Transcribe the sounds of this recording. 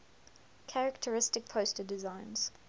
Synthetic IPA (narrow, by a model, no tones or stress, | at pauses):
kʰæɹək̚tʰəɹɪstɪk̚pʰəʊstədɪzãɪ̃nz̥